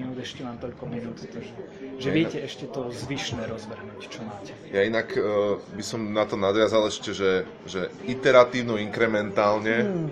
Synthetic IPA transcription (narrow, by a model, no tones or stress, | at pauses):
inuːd̪ɛʃcɛʋaːmt̪ɔʎkɔminuːt̪t̪aɡʒɛ | ʒɛʋʋɪɛcɛɛʃcɛt̪ɔzʋiʃnɛːɾɔzʋrɦnuːct͡ʃɔmaːcɛjainakbisɔmnat̪ɔnad̪ʋɪazalɛʃcɛʒɛ | ʒɛit̪ɛɾat̪iːʊnɔiŋkɾɛmɛnt̪aːlɲɛ